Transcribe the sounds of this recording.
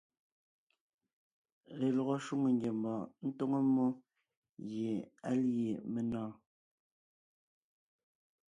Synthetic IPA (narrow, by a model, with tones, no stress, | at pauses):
ɣe˨lɔ˨ɣo˦ʃu˦ŋe˨ŋɡe˨mbɔ˨n̩˦to˦ŋo˦mo˦ | je˨a˦lje˨me˨nɔ̃ː˦˨